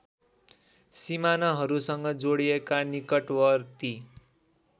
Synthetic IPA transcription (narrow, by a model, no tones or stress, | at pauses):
simanʌɦʌɾusʌŋɡʌd͡zoɽiekanikʌʈwʌrt̪i